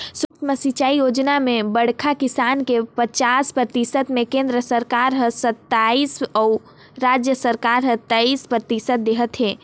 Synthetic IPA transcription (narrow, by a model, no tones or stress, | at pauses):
swəkt̪ʰməsit͡ʃaijod͡ʒnamẽbəɽ̤kʰakisaːnkepət͡ʃaspɾət̪isət̪mẽkẽnd̪ɾəsəɾkaɾɦə̃sət̪ːaisɔ | ɾad͡ʒjəsəɾkaɾɦət̪ːaispɾət̪isət̪̚d̪eɦət̪ɦeː